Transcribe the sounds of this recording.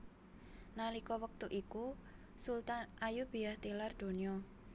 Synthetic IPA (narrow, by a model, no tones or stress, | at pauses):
nalikɔwək̚t̪uʔiku | sult̪anajub̥i̤aht̪ilard̪̥o̤niɔ